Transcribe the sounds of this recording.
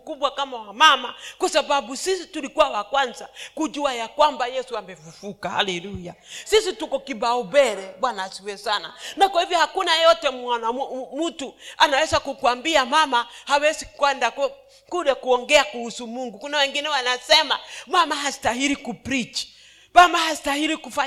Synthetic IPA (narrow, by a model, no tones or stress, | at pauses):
kuɓwakamawamamakwasababusisitulikuwawakwanzakud͡ʒuajakwambajɛsuambɛfufukaha̰lɛlujasisitukɔkibaɔbɛɾɛɓwanasiwɛsana̰nakwahivjɔhakunajɔtɛmanamutuanawɛzakukuambiamamahawɛsikwɛndak | kuɗɛkuɔŋɡɛakuhusumuŋɡukunawɛŋɡinɛwanasɛmamamaɦasi̥taɦiɾikupɾit͡ʃi̥ | mamahastahiɾikufa